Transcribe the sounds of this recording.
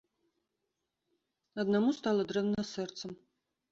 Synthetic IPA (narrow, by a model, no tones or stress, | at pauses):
ɐd̪nɐmust̪alˠɐd̪ɾɛvnɐsɛrt̪səm